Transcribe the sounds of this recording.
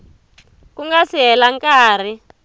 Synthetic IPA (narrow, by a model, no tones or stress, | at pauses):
kuŋɡasiɦɛlaŋkaːr̤i